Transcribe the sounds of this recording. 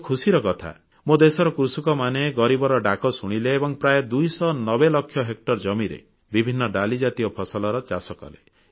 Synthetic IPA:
kʰusiɾɔkɔt̪ʰa̰ | mod̪esɔɾɔkɾusukɔmaneɡɔɾibɔɾɔɖakɔsuɽ̃ileːbɔŋpɾajɔd̪ujsɔnɔbelɔkʰːjɔɦek̚ʈɔɾd͡ʒɔmiɾḛ | bibʱinːɔɖalid͡ʒat̪iɔpʰɔsɔlɔɾɔt͡ʃasɔkɔ̰lḛ

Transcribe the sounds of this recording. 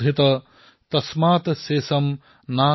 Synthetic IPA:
it̪ɐ | t̪ɐsmaːt̪seːsɐm | naː

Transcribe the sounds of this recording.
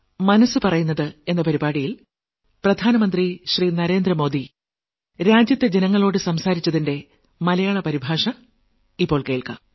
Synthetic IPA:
mɐnɐsːɨpɐrɐjunːɐðɨe̞nːɐpɐɾibaːɽijil | prɐd̪ʱaːnɐmɐnd̪riɕriːnɐɾe̞ːnd̪rɐmo̞ːd̪i | ɾaːd͡ʑjɐt̪ːed͡ʑe̞nɐŋːɐɭo̞ːɽɨsɐmsaːɾit͡ɕːɐðinde̞ | mɐlɐjaːɭɐpɐɾibʱaːʂɐ | ipːo̞ːɭke̞ːɭkɐ̰

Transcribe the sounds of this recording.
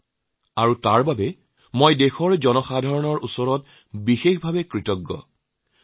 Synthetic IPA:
aɹutaɹbabɛ | mojdexɔɹzɔnɔxadʱaɹɔnɔɹusɔɹɔt | bixexbʱabɛkɹitɔɡːɔ̰

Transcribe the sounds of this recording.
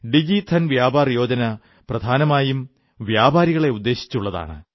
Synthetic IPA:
ɖid͡ʑit̪ʰɐnʋjaːbaːrjo̞ːd͡ʑɐnɐ | prɐd̪ʱaːnɐmaːjum | ʋjaːbaːɾiɣɐɭe̞ud̪ːe̞ːɕi̥t͡ɕːuɭːɐða̰ːɳɨ̰

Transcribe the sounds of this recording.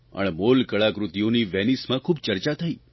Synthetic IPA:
ə̰ɳmolkəɭakɾut̪ijoniʋenismãkʰubt͡ʃəɾt͡ʃat̪ʰəi

